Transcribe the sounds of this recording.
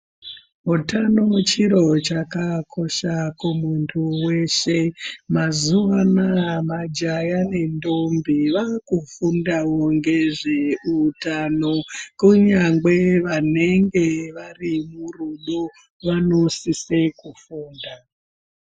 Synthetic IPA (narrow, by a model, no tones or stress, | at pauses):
ɦutano̞t͡ʃiɾo̞t͡ʃakakʰo̞ʃakumuntʰuwe̞ʃe̞mazuwanamad͡ʒajane̞ndombiʋakufundawoŋɡe̞ʐe̞utanokuɲaŋɡe̞ʋane̞ŋɡe̞ʋarimuruɗo | ʋano̞sise̞kufuːnda